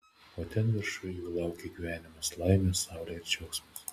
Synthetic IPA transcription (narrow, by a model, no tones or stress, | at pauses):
oːt̪ʲɛnʋʲɪɾʃʊjjuːlˠɑˑʊkʲeɡʲiːʋʲæːnʲɪmoslˠɐɪmʲesɑˑʊɾʲɛɪɾt͡ʃʲɛʊksmʊs